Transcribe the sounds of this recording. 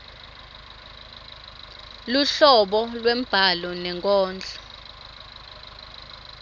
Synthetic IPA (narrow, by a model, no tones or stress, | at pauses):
luɬɔɓɔlwem̩b̥ʱalɔnɛŋkʼɔːnd͡ɮʱɔ̥